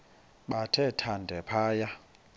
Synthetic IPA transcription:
ɓatʰɛtʰandʱɛpʰaːja

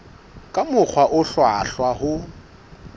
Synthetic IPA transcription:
kʼamʊk͡xʰwaʔʊɬwaɬwahʊ

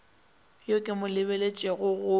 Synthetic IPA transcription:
jokʼɪmʊlɪbelet͡ʃʼɛɣʊɣʊ

